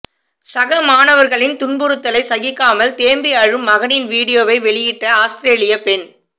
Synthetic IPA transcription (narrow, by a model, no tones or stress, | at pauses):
sɐɣɐmaːnɐʋɐɾɣɐɭɪnt̪ʊɳbɯɾɯt̪ːɐlɐɪsɐɣɪkːaːmɐlt̪eːmbɪaɻɯmːɐɣɐnɪnʋiːɽɪjoːʋɐɪʋɛɭɪjɪʈːɐaːst̪ɪɾeːlɪjɐpɛn